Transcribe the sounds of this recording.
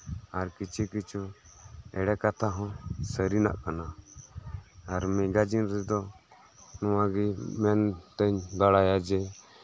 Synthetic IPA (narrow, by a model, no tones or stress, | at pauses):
aɾkit͡ʃʰikit͡ʃʰu | ɛɽɛkat̪ʰaɦɔ̃səɾina̰ʔkana | ɾmiɡad͡ʒinɾɛd̪ɔ | nɔwaɡimɛnt̪əɲd̪aɽajad͡ʒɛ